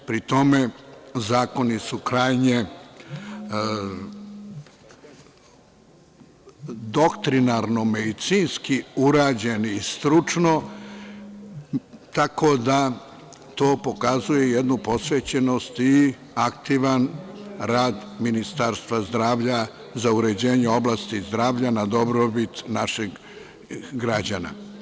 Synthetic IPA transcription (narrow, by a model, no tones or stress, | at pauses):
pɾit̪o̞mezaːko̞nisukɾaːjɲe̞ | d̪o̞kt̪ɾinaɾno̞med̪it̪sinskiuɾaːd͡ʑe̞niːst̪ɾut͡ʃno̞ | t̪ako̞d̪a | t̪o̞ːpo̞kazuje̞jed̪nupo̞sʋeːt͡ɕeno̞st̪i | akt̪iʋanɾaːd̪minist̪aɾst̪ʋazd̪ɾaːʋʎa | zauɾe̞d͡ʑeːɲeo̞blaːst̪izd̪ɾaːʋʎanad̪o̞bɾobit̪naʃeɡ | ɡɾad͡ʑana̰